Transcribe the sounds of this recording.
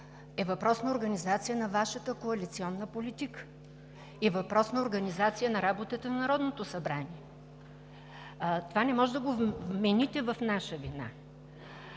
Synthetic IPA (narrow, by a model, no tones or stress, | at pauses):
ɛvɐpɾɔsnɐoɾɡɐnizat̪sijənɐvaʃət̪əkoɐlit̪siɔnːəpolit̪ikə̥ | ivɐpɾɔsnɐoɾɡɐnizat̪sijənɐɾabot̪ət̪ənnɐɾɔd̪not̪osɐbɾaniɛ | t̪ovanɛmɔʒɛd̪ɐɡovvmɛnit̪ɛvɐfnaʃəvina̰